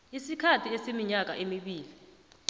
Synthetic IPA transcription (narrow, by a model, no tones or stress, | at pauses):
isikʰatʰiesimiɲak̬a̰ʔemiɓiːli